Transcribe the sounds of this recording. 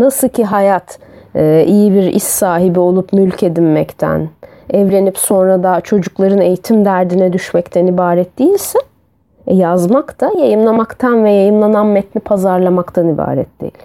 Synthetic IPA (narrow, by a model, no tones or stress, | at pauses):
nasɯlˠcʰiɦajat̪ʰː | ijibiɾḭst̪saːɦibio̞lˠupmylʲcʰe̞d̪inmɛct̪ʰæ̰n | ɛvlʲe̞nipso̞nɾad̪at͡ʃʰo̞d͡ʒuklˠaɾɯne̞jit̪ʰimd̪æɾd̪inɛd̪yʃmɛct̪ʰɛnibaːɾɛt̪̚d̪ejilʲsɛ | ɛjazmakt̪ʰajajɯmlˠamakt̪ʰanvɛjajɯmlˠananmɛt̪nipʰazaɾlˠamakt̪ʰaniba̰ːɾɛ̰t̪̚d̪ḛjḭlʲ